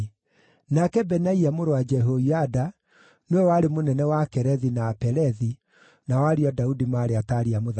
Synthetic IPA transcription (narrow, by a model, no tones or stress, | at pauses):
nakɛbɛnaiamoɾowad͡ʒɛɦoiada | neewaɾemonɛnɛwakɛɾɛðinaːpɛɾɛði | nawaɾiɔdaudimaːɾeataɾiamoð